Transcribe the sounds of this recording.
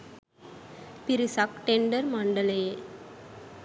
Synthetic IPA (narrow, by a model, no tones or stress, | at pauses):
pɪɾɯsakʈɛɳɖɐɾmɐɳɖɐle